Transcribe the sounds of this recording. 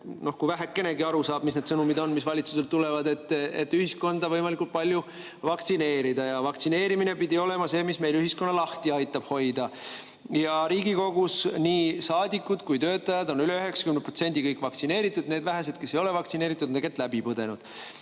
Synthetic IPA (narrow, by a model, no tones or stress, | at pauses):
no̞hkuvæɦekːˑe̞ne̞ɡiɑɾusɑːb̥misne̞d̪̥sɤnumid̪o̞nmisvɑlʲit̪suselt̪ːule̞vɑd̪e̞t̪ːḛt̪ːˑyhisko̞nd̪ɑvɤjmɑlikult̪pɑlʲju | vɑk̚t̪sine̞ːɾid̪̥ɑjɑvɑkt̪sine̞ːɾimine̞pid̪ʲio̞le̞mɑse̞ːmisme̞jlyɦisko̞nːɑlɑht̪iɑjt̪ːˑɑb̥ho̞jd̪̥ɑ | jɑɾiːɡiko̞ɡ̥usniːsɑːd̪ikːˑud̪̥kujt̪ø̞ːt̪ːˑɑjɑd̪o̞nyleyɦe̞ksɑ̥kymneprot̪se̞nʲd̪̥ikɤjkːˑvɑkt̪sine̞ːɾit̪ːˑud̪neːd̪væɦes̬e̞d̪̥kesːejo̞le̞vɑk̚t̪sine̞ːɾit̪ːˑud̪neket̪ːˑlæbipɤd̪e̞nud̪̥